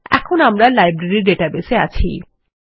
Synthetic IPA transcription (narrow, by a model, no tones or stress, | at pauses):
ɛ̰kʰonamɾalajbɾaɾiɾɖeʈabesea̰t͡ɕʰḭ